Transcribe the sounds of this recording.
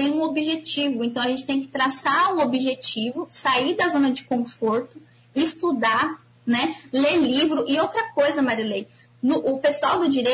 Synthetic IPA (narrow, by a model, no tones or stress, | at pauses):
ẽj̃ũobiʒet͡ʃivʊẽnt̪ɐ̃w̃ɐʒẽt͡ʃɪ̥t̪ẽj̃kɪ̥t̪ɾasaũobiʒet͡ʃivʊsaiɾd̪ɐzõnɐd͡ʒɪkõfoɾt̪ʊ | ɪst̪ud̪a | nɛlelivɾʊʔɪowt̪ɾɐkojzɐmaɾilej | nʊʔʊpesuawd̪ʊd͡ʒiɾe